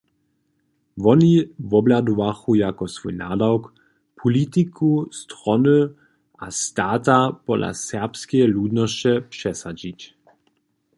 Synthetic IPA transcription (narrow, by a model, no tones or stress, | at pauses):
vɔnivɔblad̪ɔvaxujakɔsvujna̰dawk | pʰɔlit̪ikust̪ʁɔnu | ʔast̪aːt̪apɔdla̰sɛʁpskɛɛluːd̪nɔst͡ɕɛpʂɛsad͡ʑic